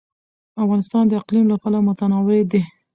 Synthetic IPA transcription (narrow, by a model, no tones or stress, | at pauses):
afɣɑnɪst̪ɑnd̪əɪqlimlapalamʊt̪anɑwɪd̪e